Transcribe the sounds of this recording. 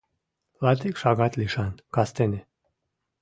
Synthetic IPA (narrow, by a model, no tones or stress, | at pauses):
lat̪ikʃaɡat̪liʃankast̪ene